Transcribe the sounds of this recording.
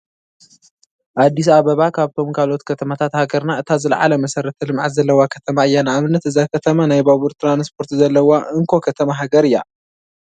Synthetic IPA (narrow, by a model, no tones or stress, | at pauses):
ʔad̪ːisaβɐβakʰaβt̪ʰo̞mkʰalo̞t̪kʰɐt̪ʰɐmat̪ʰat̪haɡɐɾnaɨt̪ʰazɨlʕa̰lɐmɐsɐɾɐt̪ʰɐlɨmʕat̪zɐlːɐwakʰɐt̪ʰɐmaɨjːanaamɨnːɐt̪ɨzakʰɐt̪ʰɐmanajbaβuɾt̪ʰɾanspʰo̞ɾt̪zɐlːɐwaʔɨŋkʰo̞kʰɐt̪ʰɐmaɦaɡɐɾɨjːa